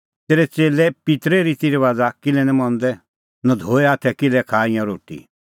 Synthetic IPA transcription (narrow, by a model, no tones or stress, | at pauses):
t̪eːɾɛt͡seːlɛpɪt̪ɾɛɾiːt̪iɾɛʋaːd͡zakɪlɛnɛ̃mɔ̃nd̪ɛ | nɐd̪ʱoːɛaːt̪ʰɛkɪlɛkʰaːijãɾoːʈḭ